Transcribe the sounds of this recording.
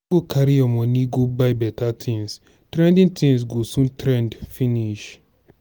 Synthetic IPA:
ɡokʰaɾijɔmɔ̃niɡobaɪbɛtʰatʰĩŋs | tɾɛ̃ndĩntʰĩŋsɡosũntɾɛ̃ndfĩniʃ

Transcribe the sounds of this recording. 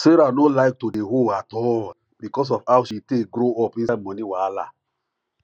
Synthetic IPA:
seɾanolaɪk̚todeɦoatɔ | bikɔs̬ɔfawʃitekɡɾoɔpĩmɔniwala̰

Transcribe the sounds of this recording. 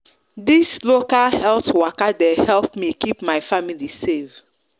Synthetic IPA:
dislokalhɛltwɔkadehɛlpmikipmaɪfamilisev

